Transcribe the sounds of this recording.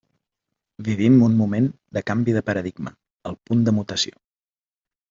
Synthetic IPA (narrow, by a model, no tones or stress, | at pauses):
biβ̞imunmumen | d̪əkambiðəpəɾəðiɡmə | əlˠpund̪əmut̪əsio